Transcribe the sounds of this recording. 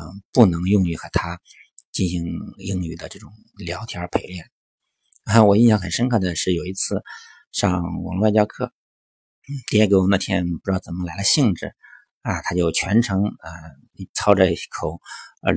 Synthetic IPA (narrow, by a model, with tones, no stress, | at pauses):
pu˥˩nɤ˧˥ŋjʊ˥˧ŋy˧˩xɤ˧˥t̪ʰa˥ | t͡ɕi˥˩nɕi˧˥ŋi˧˥ŋy˨˩d̪ə˦ʈ͡ʂɤ˥˩ʈ͡ʂʊ˨˩ŋ | ljɑ˧˥ʊt̪ʰi˧˥ə˞˧˥pʰe˧˥ɪljɛ˥˩n˥˩ | wɔ˨˩i˥˩jɑ˥ŋxə˨˩nʂə˥ŋkʰɤ˥˩d̪ə˩ʂɻ̩˥˩jo˨˩ʊi˧˥t͡sʰɹ̩˥˧ | ʂɑ˥˧ŋwɑ̰˧˥ŋlwa˥˧˩t͡ɕjɑ˥kʰɤ˥˩ | n̩˥˩t̪i˥˧˥ko˥˧˥na˥˩t̪ʰjɛ˥n˩pu˧ʈ͡ʂɻ̩˥˩t͡sə˨˩mə˧˥la˧˥ɪlə˧ɕi˥˧ŋʈ͡ʂɻ̩˥˩ | a˧˩t̪ʰa˥t͡ɕjo˥˩ʊt͡ɕʰɥɛ˧˥nʈ͡ʂʰɤ˧˥ŋə˧˩ | t͡sʰɑ˥ʊʈ͡ʂə˧˥˩kʰo˨˩ʊə̰˧˥